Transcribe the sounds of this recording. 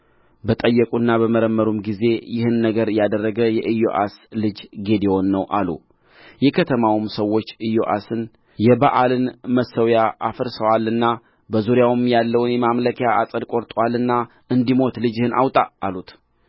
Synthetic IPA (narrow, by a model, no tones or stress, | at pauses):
bət̪ʼəjːəkʼunːabəməɾəmːəɾumɡize̞jɪhɨnːəɡəɾjad̪ərːəɡəjɛʔɨjːo̰ʔaslɨd͡ʒɡe̞d̪ewo̞nːəwʔalṵ | jɛkʰət̪ʰəmawmsəwːo̞t͡ʃːɨjːoʔa̰sɨn | jɛbaʔalɨnməsəwjaʔafəɾsəwalːɨnːa | bəzuɾjawɨmjalːəwnjɛmamləkʰjaʔasʼəd̪kʼo̞ɾt̪ʼwalːɨnːa | ɨnd̪imo̞t̪lɨd͡ʒɪhɨna̰wt̪ʼaːlut̪